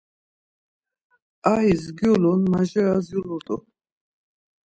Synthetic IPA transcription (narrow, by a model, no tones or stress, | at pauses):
aɦizɡjulunmaʒɛazjuluɾt̪ʼṵ